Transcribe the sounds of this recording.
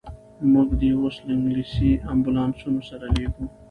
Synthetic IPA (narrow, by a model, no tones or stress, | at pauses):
muɡd̪iwoslɪŋɡlisiambulɑːnsunosaɾaleɡu